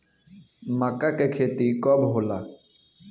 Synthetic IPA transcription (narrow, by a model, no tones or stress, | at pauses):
makakekʰeːt̪ikɔːbɦoːlaː